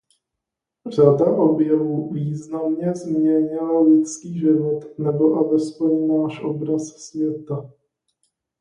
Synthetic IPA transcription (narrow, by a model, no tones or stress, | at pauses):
r̝adaʔo̞bjɛvuːviːznamɲɛzmɲɛɲɪlalɪt͡skiːʒɪvot̪nɛboʔavɛsponaʃʔobɾassvjɛt̪a